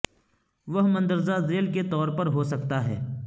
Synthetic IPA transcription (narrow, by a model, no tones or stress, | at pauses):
ʋɐɦmɐ̃nd̪əɾzazeːlket̪ɔːɾpɐɾɦosɐk̚t̪aɦɛ̰ː